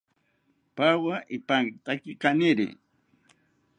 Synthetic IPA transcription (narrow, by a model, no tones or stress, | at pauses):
pawaʔɪpaŋt̪akɪkanɪɾɪ̰